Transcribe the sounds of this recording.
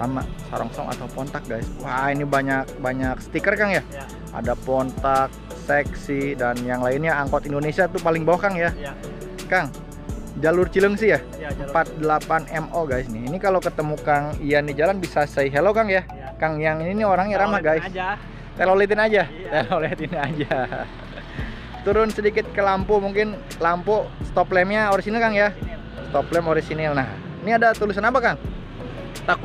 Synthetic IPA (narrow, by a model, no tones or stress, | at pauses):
sa̰ma̰sa̰ɾɔ̰ŋsɔ̰ŋa̰t̪aupɔnt̪ak̚ɡajswainibaɲak̚baɲaksə̥t̪ikərkaŋja | a̰dapɔnt̪ak̚ | sɛksidanjaŋlaɪnɲaːŋkɔt̪indonesiat̪upalɪŋbawakaŋja | kaŋ | d͡ʒalʊrt͡ʃiləŋsɪja | əmpat̪̚dəlapanɛmoɡajsnɪinikalawkət̪əmukaŋijandid͡ʒalanbisasaiɦɛlokaŋja | kaŋjaŋininioɾaŋɲaɾamahɡais | t̪ɛlolit̪̬ɪnad͡ʒa | t̪elolet̪iniad͡ʒa | t̪uɾʊnsədikɪt̪̚kəlampomuŋkɪn | lampost̪oplɛmɲaoɾisinɪlkaŋja | st̪ɔplɛmoɾisinɪlnah | iniadat̪ulɪs̬anapakaŋ | t̪ak